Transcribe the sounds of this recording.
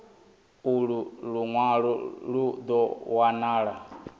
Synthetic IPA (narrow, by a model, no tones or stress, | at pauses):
uɺuɺuŋwaɺɔɺud̪ɔwanaːɺa